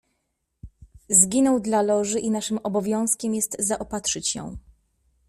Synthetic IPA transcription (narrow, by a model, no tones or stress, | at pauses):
zɡʲinɔwd̪lalɔʐɘʔinaʂɘmɔbɔvʲjɔ̃w̃skʲɛmjɛst̪zaʔɔpat̪ʂɘt͡ɕjɔ̰̃w̃